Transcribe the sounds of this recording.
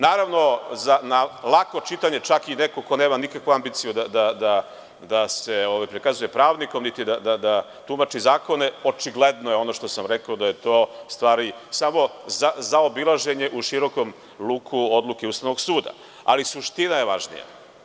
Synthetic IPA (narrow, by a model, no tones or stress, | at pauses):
naːɾaʋno̞zanalˠako̞t͡ʃit̪aɲe̞t͡ʃakinekoko̞ne̞ːmanikakʋuambit̪sijud̪ad̪ad̪a | d̪ase̞oʋajpɾikazuje̞pɾaːʋnikomnit̪id̪ad̪ad̪a | t̪umat͡ʃizaːko̞ne̞o̞t͡ʃiɡled̪nojeo̞noʃt̪o̞samɾekaod̪aje̞t̪o̞ːst̪ʋaːɾisamo̞zazaobilˠaʒe̞ɲe̞ʔuʃiɾo̞ko̞m | luːkʰuod̪lˠukeuːst̪aʋnoɡsuːd̪a̰ | a̰lisuʃt̪inaje̞ʋaʒnḭja̰